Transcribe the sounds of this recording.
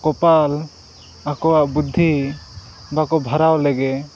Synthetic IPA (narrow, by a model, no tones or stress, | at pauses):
kɔpal | akɔwaʔbud̪ʱːi | bakɔbʱaɾawlɛɡɛ